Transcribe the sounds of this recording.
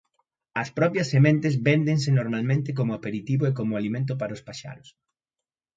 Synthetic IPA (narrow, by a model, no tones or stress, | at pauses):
ɐspɾɔpjɐsːemẽnt̪ezbend̪eŋsɪnoɾmalmẽnt̪ɪk̬omʊapeɾit̪iβʊekomʊalimẽnt̪̬ʊp̬aɾɐʊspaʃa̰nʊs